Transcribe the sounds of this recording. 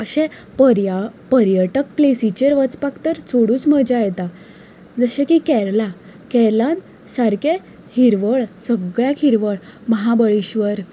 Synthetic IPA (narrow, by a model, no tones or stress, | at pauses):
əɕẽ | ɾjapəɾjəʈək̚plesit͡ɕeɾʋət͡spakt̪əɾt͡sʰoɽũːt͡sm̤əd͡ʑajɛt̪a | d͡zəɕẽkikɛɾla | kɛɾlan | saɾke | hiɾʋəɭsəɡɭjakʰiɾʋəɭməɦabəɭiɕʋəɾ